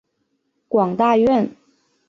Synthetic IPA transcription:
kwɑ˨˩ŋt̪a˥˧ɥɛ˥˩n

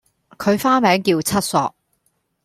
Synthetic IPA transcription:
kʰɵ˨˧ɥfaː˥mɛː˨˥ŋkiː˧wt͡sʰɐ˥t̚sɔ̰ː˧k̚

